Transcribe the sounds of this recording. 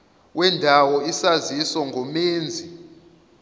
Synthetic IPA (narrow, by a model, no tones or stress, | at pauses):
wʔɛndʱawɔisazisɔŋɡʱɔmeːnd͡zʱi